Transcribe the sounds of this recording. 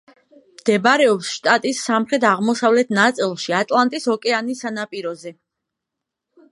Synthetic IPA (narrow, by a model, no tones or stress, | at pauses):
md̪̥ɛbaɾɛɔpsʃt̪ʼat̪ʼisːamχɾɛt̪ʰaʁmɔsavlɛt̪ʰnat̪sʼilˠʃiat̪ʼlˠant̪ʼishɔkʼɛanisanapʼiɾɔzɛ